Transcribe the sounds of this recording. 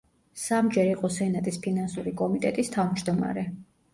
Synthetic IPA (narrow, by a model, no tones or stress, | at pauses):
samd͡ʒɛɾiqʼɔsɛnat̪ʼispʰinansuɾikʼɔmit̪ʼɛt̪ʼist̪ʰavmd͡ʒd̪ɔma̰ɾɛ